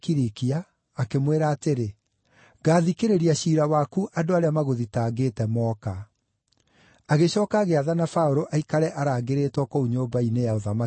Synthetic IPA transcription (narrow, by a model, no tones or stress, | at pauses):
kiɾikiaː | kemweːɾaːteɾe | ɣaːðikeɾeɾiaɕiːɾawakuʔadoaɾeamaɣoðitaːɡeːtɛmɔka | aɣeɕɔːkaɣeaðanafaoɾoʔaikaɾɛʔaɾaːɡeɾeːtwɔkouɲoːbainejaoðama